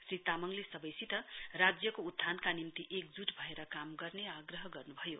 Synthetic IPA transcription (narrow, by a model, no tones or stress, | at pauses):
srit̪amʌŋlesʌbʌjsit̪ʌrad͡zjʌkoud̪ʱːankanimt̪iʔekd͡zuʈbʱʌeɾʌkamɡʌrneaɡrʌɦʌɡʌrnubʱʌjo